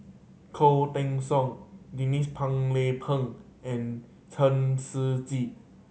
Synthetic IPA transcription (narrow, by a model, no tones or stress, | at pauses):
kʰot̪ɛ̃ŋsɔŋdinispʰãŋlepʰəŋʔɛ̃n | tʰənsɨt͡ɕi